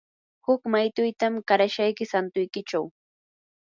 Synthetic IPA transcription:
hʊkmajt̪ʊjt̪amɢaɾaʃajkɪsant̪ʊjkɪt͡ʃaw

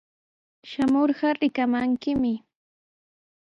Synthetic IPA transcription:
ʃamoɾɢɑɾɪkamaŋkɪmɪ

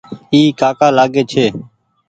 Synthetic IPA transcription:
iːkaːkaːlaːɡeːt͡ʃʰeː

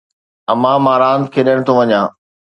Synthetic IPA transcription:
ɐmãːmãːɾãːnt̪kʰeːɗəɽ̃t̪ʰoʋɐɲãː

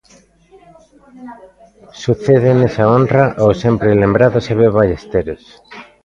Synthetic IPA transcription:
suθeðenesaonraʔowsempɾelembɾaðoseβeβajest̪eɾos

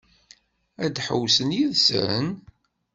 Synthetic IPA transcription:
æd̪ħə̰wsənjiðsə̰ɾə̰n

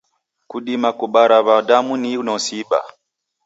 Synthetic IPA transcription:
kuɗimakuɓaɾaβadamuninɔsiɓa̰

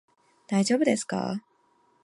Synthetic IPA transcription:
d̪̥aid͡ʑobɯd̪e̞sɨ̥ka̰

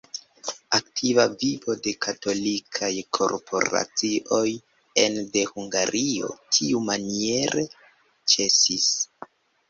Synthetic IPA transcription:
ak̚tʰivavibo̞de̞kʰato̞likʰajkʰo̞̰ɾpʰo̞̰ɾa̰t͡siʔo̞j | e̞nde̞huŋɡaɾʔio̞̰tʰiumanie̞ɾe̞ | t͡ʃe̞sis

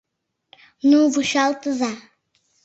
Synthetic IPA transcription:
nuvuʃalˠt̪ɨza

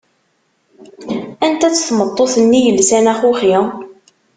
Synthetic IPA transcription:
ænt̪æt͡sːθmət̪ˤːoθənːijəlsænæχuχi

